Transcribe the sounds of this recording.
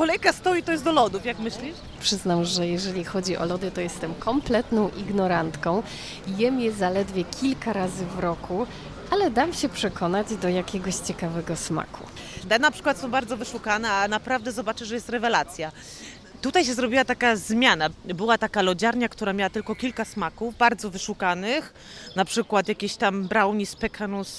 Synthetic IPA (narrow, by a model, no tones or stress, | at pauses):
kɔlɛjkast̪ɔjit̪ɔjɛsd̪ɔlɔd̪ufjakmɘɕlʲiʂ | pʂɘznamʐɛjɛʐɛlʲixɔd͡ʑiʔɔ̰lɔd̪ɘt̪ɔjɛst̪ɛmkɔmplɛt̪nɔ̃w̃ʔiɡnɔɾant̪kɔ̃w̃ | jɛmʲjɛzalɛd̪vʲjɛkʲʰilkaɾazɘvɾɔku | alɛd̪amɕɛpʂɛkʰɔnad͡ʑd̪ɔjakʲɛɡɔɕt͡ɕɛkavɛɡɔsma̰kʰud̪ɛnapʂɘ̥kwat̪sɔ̃w̃baɾd̪zɔvɘʂukanɛanapɾavd̪ɛzɔbat͡ʂɘʐɛjɛst̪ɾɛvɛlat̪sʲja | t̪ut̪ajɕɛzɾɔbʲiwat̪akazmʲjanabɘwat̪akalɔd͡ʑaɾɲakt̪uɾamʲawat̪ɘlkɔkʲilkasmakuvbaɾd̪zɔvɘʂukanɘx | napʂɘkwat̪jakʲeɕt̪ambɾawɲispɛkʰanus